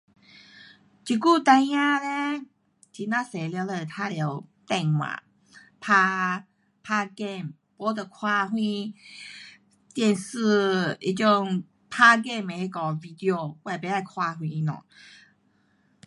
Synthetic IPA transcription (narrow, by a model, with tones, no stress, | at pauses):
t͡ɕi˧˩ku˥˧˨t̪ã˧j̃ã˦le˦ | t͡ɕi˧˩nã˦se˨˩lja˧˦le˧˩t̪ʰa˦lje˧˦t̪ɛ˧˨ŋwã̰˨ | pʰa˧ | pʰa˧˥ɡe˥˧˨m | pɔ˧˦t̪ə˨˩kʰwa˧ɦwĩ˧ | t̪jɛ˥˧˨nsɨ˥˧ḭ˧t͡ɕjɔ˥˧ŋ | pʰa˧˥ɡe˥˧me˨he˧kɔ˨˩vi˧d̪i˧o˧wa˧˨pe˧˦la˧jkʰwa˧ɦwĩ˧nɔ̰̃˨